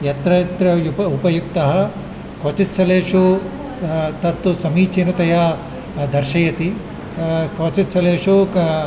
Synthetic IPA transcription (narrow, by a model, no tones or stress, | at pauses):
jɐt̪ɾɐjɐt̪ɾɐjupɐupɐjuk̚t̪ɐɦɐ | koːt͡ʃit̪sɐleːʂu | t̪ɐt̪ːusɐmiːt͡ʃinɐt̪ɐja | d̪ɐɾʃɐjɐt̪i | koːt͡ʃit̪sɐleːʂu